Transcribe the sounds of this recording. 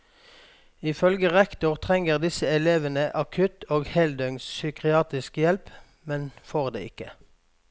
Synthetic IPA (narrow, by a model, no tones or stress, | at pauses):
ɪfœlɡəʁɛkt̪ʊʁt̪ʰʁɛŋəʁd̪ɪsəɛleːʋənəʔɑkʰʉt̪ʰoːɡhɛld̪œŋssykʁɪɑːt̪ɪskjɛlp | mɛnfoːʁd̪ḛːɪkə